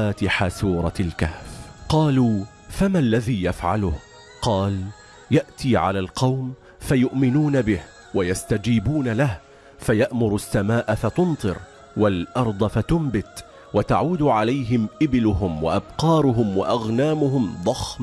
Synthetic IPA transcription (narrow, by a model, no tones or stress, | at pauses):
aːt̪ɪħasuːɾˤɑlkahfqɑːluː | famalːaðiːjafʕalʊh | qɑːl | jaʔt̪iːʕa̰laːlqɑwm | fajʊʔmɪnuːnabɪh | wajast̪ad͡ʒiːbuːnalah | fajaʔmʊɾasːamaːʔafat̪ʊnt̪ˤɨɾ | walʔɑɾˤd̪ˤɑfat̪ʊmbɪt̪ | wat̪aʕuːd̪ʕalajɦɪmʔɪbɪlʊɦʊmwa̰ʔabqɑːɾˤʊɦʊmwaʔaɣnaːmʊɦʊmd̪ˤɑxm